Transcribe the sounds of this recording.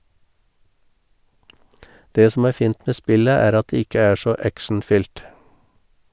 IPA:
ˈdeː ˈsɔm ˈæːɾ ˈfiːnt ˈmeː ˈspɪlə ˈæːɾ ˈɑt ˈdeː ˈɪkə ˈæː ˈʃɔ ˈækʃɳ̩ˌfʏlt

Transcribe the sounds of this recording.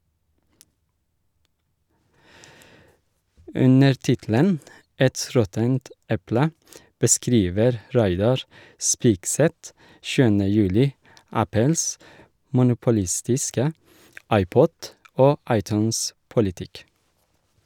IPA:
ˈʉnəɾ ˈtɪtl̩ən ˈɛt ˈɾɔtənt ˈɛplə bəˈskɾiːʋəɾ ˈɾæɪdɑɹ ˈspiːkˌsɛt ˈʃʉːənə ˈjʉːlɪ ˈæpəls mʊnʊpʊˈlɪstɪskə ˈɑɪˌpɔd ˈoː ˈɑɪˌtʉːnˌspʊlɪtɪk

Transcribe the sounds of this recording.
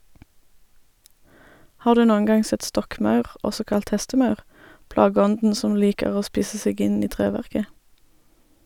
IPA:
ˈhɑːʁ ˈdʉː ˈnoːəŋ ˈɡɑŋ ˈsɛt ˈstɔkˌmɑʉʁ ˈʔɔsɔ ˈkɑlt ˈhɛstəˌmɑʉʁ ˈplɑːɡəˌɔndn̩ ˈsɔm ˈliːkəʁ ˈoː ˈspiːsə ˈseːɡ ˈɪn ˈiː ˈtʁeːʋæʁkə

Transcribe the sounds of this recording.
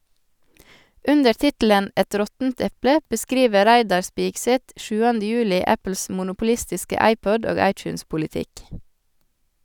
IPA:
ˈʉndəɾ ˈtɪtl̩ən ˈɛt ˈɾɔtn̩t ˈɛplə bəˈskɾiːʋə ˈɾæɪdɑɾ ˈspiːɡˌsɛt ˈʃʉːɑndə ˈjʉːlɪ ˈæpl̩s mʊnʊpʊˈlɪstɪskə ˈɑɪˌpɔd ˈoːɡ ˈɑɪˌt͡ʃʉːnspʊlɪˌtɪk

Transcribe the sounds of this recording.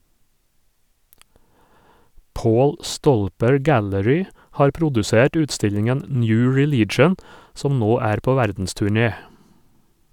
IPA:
ˈpoːl ˈstɔlpəɹ ˈɡæləɹʏ ˈhɑːɾ ˈpɾʊdʉˌseːʈ ˈʉːtˌstɪʎɪŋɛn ˈnjʉː ɹɪˈliːt͡ʃən ˈsɔm ˈnoː ˈæːɾ ˈpoː ˈʋæɾdn̩stʉˌɳeː

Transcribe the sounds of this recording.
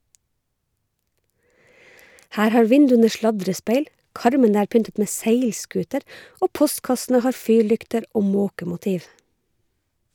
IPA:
ˈhæːɾ ˈhɑːɹ ˈʋɪndʉənə ˈʃlɑdɾəˌspeɪl ˈkɑɾmənə ˈæːɾ ˈpʏntət ˈmeː ˈseɪlˌskʉːtəɾ ˈʔoː ˈpɔstkɑsn̩ə ˈhɑːɹ ˈfyːɹˌlʏktəɾ ˈoː ˈmoːkəmʊˌtiːʋ

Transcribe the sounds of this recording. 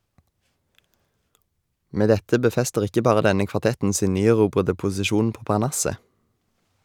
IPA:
ˈmeː ˈdɛtə bəˈfɛstəʁ ˈɪkə ˈbɑːʁə ˈdɛnə kʋɑˈtɛtn̩ ˈsiːn ˈnyːæˌʁuːbʁədə pʊsɪˈʃuːn ˈpoː pɑʁˈɳɑsə

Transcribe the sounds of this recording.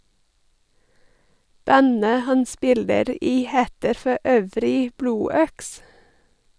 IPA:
ˈbænə ˈhɑn ˈspɪləɾ ˈiː ˈheːtəɾ fɔˈøːʋɾɪ ˈbluːˌœks

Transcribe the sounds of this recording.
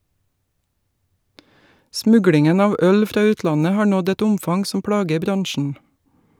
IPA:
ˈsmʉɡlɪŋən ˈɑːʋ ˈœl ˈfɾɑː ˈʉːtlɑnə ˈhɑːɾ ˈnɔd ˈɛt ˈʊmfɑŋ ˈsɔm ˈpɽɑːɡə ˈbɾɑŋʃn̩

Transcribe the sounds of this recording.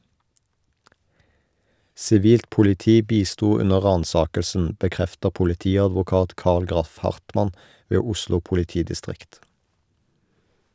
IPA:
sɪˈʋiːlt pʊlɪˈtiː ˈbiːˌstuː ˈʉnə ˈʁɑːnˌsɑːkəlsn̩ bəˈkʁɛftəʁ pʊlɪˈtiːɑdʋʊˌkɑːt ˈkɑʁl ˈɡʁɑf ˈhɑʁtˌmɑn ˈʋeː ˈʊʃlʊ pʊlɪˈtiːdɪˌstʁɪkt

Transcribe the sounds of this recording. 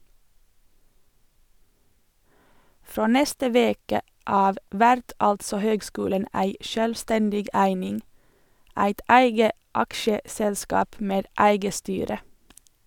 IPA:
ˈfɾoː ˈnɛstə ˈʋeːkə ˈɑːʋ ˈʋæɾt ˈɑltsɔ ˈhøːɡˌskʉːlən ˈæɪ ˈʃøːlˌstɛndɪɡ ˈæɪnɪŋ ˈæɪt ˈæɪɡə ˈɑkʃəsɛlˌskɑːp ˈmeːd ˈæɪɡə ˈstyːɾə

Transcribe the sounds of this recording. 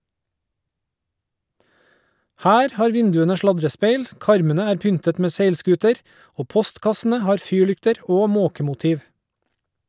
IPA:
ˈhæːɾ ˈhɑːɾ ˈʋɪndʉənə ˈʃlɑdɾəˌspeɪl ˈkɑɾmənə ˈæːɾ ˈpʏntət ˈmeː ˈseɪlˌskʉːtəɾ ˈoː ˈpɔstkɑsn̩ə ˈhɑːɾ ˈfyːˌɭʏktəɾ ˈoː ˈmoːkəmʊˌtiːʋ

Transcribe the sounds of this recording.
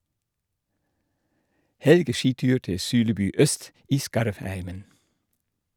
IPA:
ˈhɛlɡəˌʃiːˌtʉːɾ ˈtɪ ˈsʉːləˌbʉː ˈœst ˈiː ˈskɑɾʋˌhæɪmən

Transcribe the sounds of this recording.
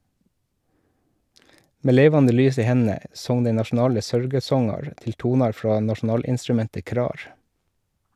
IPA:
ˈmeː ˈleːʋɑndə ˈlyːs ˈiː ˈhɛnn̩ə ˈsɔŋ ˈdæɪ nɑʃn̩ˈɑːlə ˈsœɾɡəˌsɔŋɑɾ ˈtɪl ˈtuːnɑɾ ˈfɾɑː nɑʃn̩ˈɑːlɪnstɾʉˌmɛntə ˈkɾɑːɾ

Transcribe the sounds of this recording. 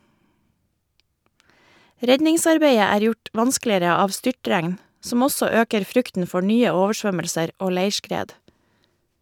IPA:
ˈɾɛɟɲɪŋˌsɑɾbeɪə ˈæːɾ ˈjʊʈ ˈʋɑnsklɪəɾə ˈɑːʋ ˈstʏʈɾæŋn ˈsɔm ˈɔsɔ ˈøːkəɾ ˈfɾʉktn̩ ˈfɔ ˈɳyːə ˈoːʋəˌʃʋœməlsəɾ ˈoː ˈleɪʃkɾeːd

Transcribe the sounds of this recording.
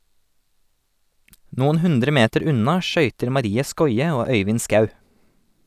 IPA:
ˈnuːn̩ ˈhʉndɾə ˈmeːtəɾ ˈʉnɑ ˈʃœʏtəɾ mɑˈɾiːə ˈskɔʏə ˈoː ˈœʏʋɪn ˈskɑʉ

